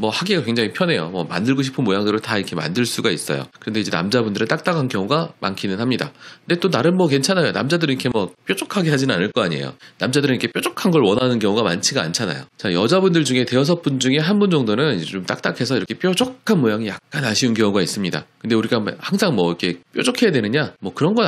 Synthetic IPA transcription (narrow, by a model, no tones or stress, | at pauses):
mʌhaɡiɡakwe̞ŋd͡ʑaŋipʰjʌne̞jo̰mʌma̰ndɯɭɡoɕʰi̥pʰɯnmojaŋdɯɾoɭtaiɾkʰe̞ma̰ndɯɭs͈uɡais͈ʌ̰jo̰kɯɾʌnde̞id͡ʑena̰md͡ʑabundɯɾɯɭt͈ak̚t͈akʰankjʌŋuɡama̰nkʰinɯnhamɲida̰kɯnde̞t͈onaɾɯnmwʌke̞nt͡ɕʰanajona̰md͡ʑadɯɾɯnikʰe̞mwʌp͈jod͡ʑokʰaɡe̞ɦad͡ʑinɯna̰nɯɭk͈ʌaɲie̞̰jo̰namd͡ʑadɯɾɯnikʰe̞pjod͡ʑokʰanɡʌɭwʌnanɯnkjʌŋuɡama̰nt͡ɕʰiɡaa̰nt͡ɕʰana̰jo̰t͡ɕajʌd͡ʑabundɯɭd͡ʑuŋe̞te̞ʌs̬ʰʌp͈und͡ʑuŋe̞ɦanbund͡ʑʌŋdonɯnt͡ɕomt͈a̰k̚t͈akʰe̞sʰʌiɾʌkʰep͈jod͡ʑokʰanmojaŋijak̚k͈anaɕʰiunkjʌŋuɡais͈ɯmɲida̰kɯnde̞uɾiɡamhaŋsʰaŋmwʌikʰe̞p͈jod͡ʑokʰe̞jadwe̞nɯɲamwʌkɯɾʌnɡʌ